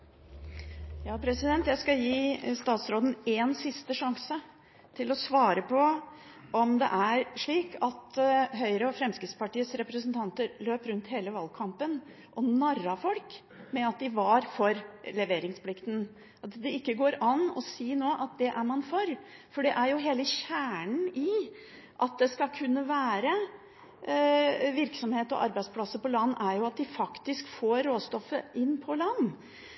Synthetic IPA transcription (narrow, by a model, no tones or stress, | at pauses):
jɑːpʰɾɛsɪd̪ɛnt̪jæɪskɑjiːst̪ɑːt̪sɾoːd̪n̩eːnsɪst̪əʂɑŋsə | t̪ʰɪlɔsʋɑːɾəpʰɔ | ʔɔmd̪ɛ̰ʔæɾʂɭiːkʰɑt̪ɦœʏɾəɔfɾɛmskɾɪt̪spɑʈiːəsɾɛpɾəsənt̪ʰɑnt̪əɾløːpɾʉnt̪heːləʋɑːlkʰɑmpən | ʔɔnɑrɑfɔlk | mɛɑt̪̚d̪ɪʋɑɾfɔɾlɛʋeːɾɪŋspʰlɪkt̪n̩ | ɑt̪d̪ɛɪkːəɡoːɾɑnɔsiːnoːʔɑt̪̚d̪ɛʔæɾmɑnfɔɾ | fɔɖɛʔæɾjʊɦeːləɕæːɳn̩ɪ | ʔɑt̪̚d̪ɛskɑkʰʉnːəʋæːɾə | ʋɪɾksɔmheːt̪ɔ̰ʔɑ̰ɾbæɪspʰlɑsəpɔlɑnːæɾjʊɑt̪̚d̪ɪfɑkt̪ɪskfoːɾɾoːst̪ɔfːəʔɪnːpʰɔlɑnː